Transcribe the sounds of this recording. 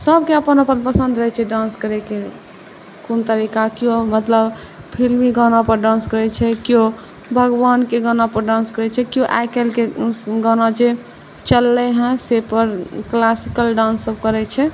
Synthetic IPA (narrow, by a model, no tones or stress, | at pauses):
səb̚keəpənəpənpəsə̃nd̪ɾəɦɛt͡ʃʰɛɖãnskəɾɛke | kont̪əɾikakiomət̪ləb | pʰilmiɡənapəɾɖãnskəɾɛt͡ʃʰɛkio | bʱəɡʋankeɡənapəɾɖãnskəɾɛt͡ʃʰɛkioʔa̰jkelkeɡɔnad͡ʒe | t͡ʃəlːɛɦɛ̃sepəɾklasikəlɖãnsəb̚kəɾɛt͡ʃʰɛ